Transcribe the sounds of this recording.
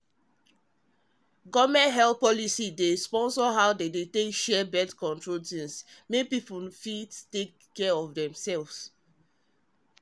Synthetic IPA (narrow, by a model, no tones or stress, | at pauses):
ɡɔvmɛ̃ntɦɛlθ̚pɔlisidespɔ̃nsɔɦaʊdedetekʃɛbɛtkɔ̃ntɹotĩnsmepipufittekː | ɛɔfdɛ̃msɛlvs